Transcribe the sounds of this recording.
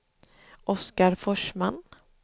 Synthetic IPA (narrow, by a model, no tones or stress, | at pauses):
ʔɔskaɾfɔʂman